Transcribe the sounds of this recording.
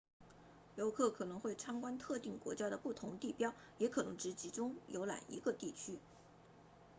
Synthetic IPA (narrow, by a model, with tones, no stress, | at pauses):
jo˧˥ʊkʰɤ˥˩kʰɤ˨˩nɤ˧˥ŋxwe˥˩ɪʈ͡ʂʰɑ˥ŋkwa˥nt̪ʰɤ˥˧t̪i˥˩ŋkwɔ̰˧˥t͡ɕja˥ɾə˨pu˥˩t̪ʰʊ˧˥ŋt̪i˥˩pjɑ˥ʊ | jɛ˧˥kʰɤ˨˩nɤ˧˥ŋʈ͡ʂɻ̩˧˥t͡ɕi˧˥ʈ͡ʂʊ˥ŋjo̰˧˥ʊla̰˨˩nḭ˧˥ɡə˧t̪i˥˩t͡ɕʰy˥